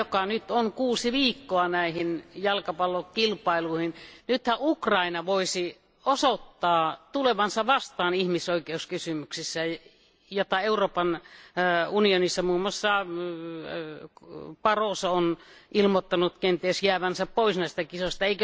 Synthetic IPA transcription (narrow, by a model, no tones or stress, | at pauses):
okɑnyt̪oŋkuːsiʋiːkːoɑnæihinjɑlkɑpɑlːokilpɑiluˑhinnyt̪hæʔukrɑinɑʋoisi | osot̪ːɑːt̪uleʋɑnsɑʋɑst̪ɑːnihmisoikeuskysymyksisːæ | jot̪ːɑeuroːpɑn | unionisːɑmuːmːˑoɑsːɑ | pɑroˑsɑonʔilmot̪ːɑnut̪kent̪esjæːʋænsæppoisnæˑist̪ækisost̪ɑeik